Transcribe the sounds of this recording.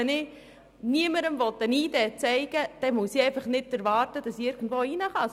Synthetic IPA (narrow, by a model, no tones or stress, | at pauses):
ɛnɪ | niəməɾəmvɔtɛniːdɛt͡sɛɪɡ̥əd̥ɛmusiɛɪfɑχnɪtːæɾvɑːrtəd̥ɑsiɪɾɡ̥n̩dvoːinəχɑ